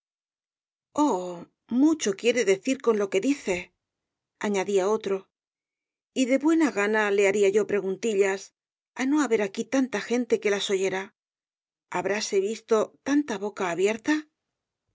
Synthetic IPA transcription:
o | mut͡ʃo̞kje̞ɾe̞ðe̞θiɾko̞nlo̞ke̞ðiθe̞ | aɲaðiao̞t̪ɾo̞ | iðe̞βwe̞naɣanale̞aɾiaʝo̞pɾe̞ɣunt̪iʎas | ano̞aβe̞ɾakit̪ant̪axe̞nt̪e̞ke̞laso̞ʝe̞ɾa | aβɾase̞βist̪o̞t̪ant̪aβo̞kaːβje̞ɾt̪a

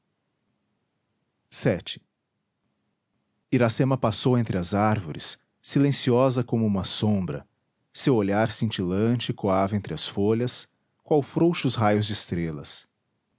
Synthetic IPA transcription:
sɛt͡ʃɪ̥ | iɾasẽmɐpasowẽnt̪ɾɪɐzaɾvoɾɪ̰sː | ilẽsiɔzɐkõmʊũmɐsõmbɾɐ̰ | sewoʎaɾsĩnt͡ʃilɐ̃t͡ʃɪkoavɐẽnt̪ɾɪɐsfoʎɐs | kwawfɾowʃʊsɦajʊzd͡ʒɪɪst̪ɾelɐ̰s

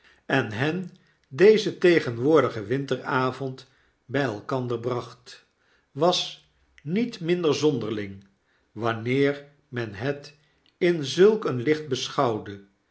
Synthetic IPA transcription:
ɛnɦɛn | dejzətejχənʋʊːɹdəχəʋɪntəraːvɔnt | bɛjɛlˠkɑndəɹbrɑχt | ʋɑs | nitmɪndəɹzɔndəɹlɪŋ | ʋɑnɪːɹ | mɛnɦɛt | ɪnzɵlˠkənlɪχd̚bəsχɑwdə

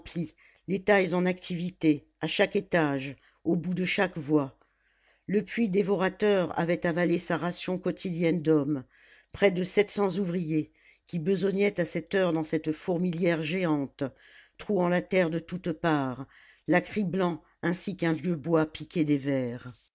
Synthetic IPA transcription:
pli | let̪ajzɑ̃nakt̪ʰivit̪e | aʃaket̪aʒ | obud̪əʃakvwa | ləpɥid̪evɔʁat̪œʁa̰vɛt̪avalesaʁasjɔ̃kɔt̪ʰid̪jɛnd̪ɔm | pχɛd̪əsɛt̪sɑ̃zuvʁije | kʲibəzɔɲɛt̪asɛt̪œʁd̪ɑ̃sɛt̪fɔʁmiljɛʁʒeɑ̃t̪ | t̪χuɑ̃lat̪ɛʁd̪ət̪ut̪paːʁ | lakχiblɑ̃ | ɛ̃sikɛ̃vjøbwapikʲed̪evɛːʁ

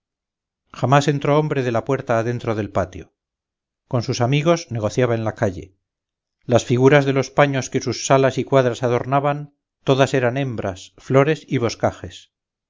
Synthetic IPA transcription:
xamase̞nt̪ɾo̞ombɾe̞ðe̞lapwe̞ɾt̪aːðe̞nt̪ɾoðe̞lpat̪jo̞̰ | ko̞nsusamiɣo̞zne̞ɣ̞o̞θjaβaenlakaʎe̞̰ | lasfiɣuɾazðe̞lo̞spaɲo̞ske̞susːalasikwaðɾasaðo̞ɾnaβan | t̪o̞ðase̞ɾane̞mbɾasflo̞ɾe̞siβo̞skaxe̞s

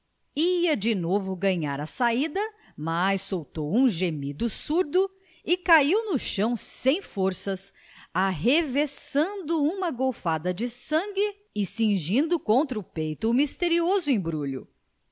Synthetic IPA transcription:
iɐd͡ʒɪnovʊɡɐ̃ɲaɾɐsaid̪ɐ | majsːowt̪owũʒemid̪ʊsuɾd̪ʊ | ɪkaiwnʊʃɐ̃w̃ssẽj̃foɾsɐs | aɦevesɐ̃nd̪ʊũmɐɡowfad̪ɐd͡ʒɪsɐ̃ŋɡɪ | ɪsĩʒĩnd̪ʊkõnt̪ɾɐʊpejt̪ʊmist̪eɾiozʊẽj̃bɾuʎʊ

